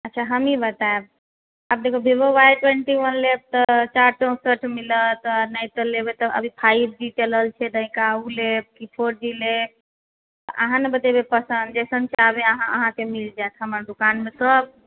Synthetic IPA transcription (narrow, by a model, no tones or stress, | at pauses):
ətːʃʰaɦəmibət̪aeb | ab̚d̪ekʰəbʱebowajʈweɳʈiwənleb̚t̪ət͡ʃaɾʈə̃səʈʰmilət̪najt̪əlebet̪ɔʔə̰bʱipʰaib̚d͡ʒiʈələlt͡ʃʰɛd̪ə̃ĩkauleb̚kipʰoɾd͡ʒileb̚ | t̪əʔəɦãnebət̪ebepəsənd̪d͡ʒɛsənt͡ʃʰabeəɦãʔəɦãkemild͡ʒaet̪ɦəməɾd̪ukanmesəb̚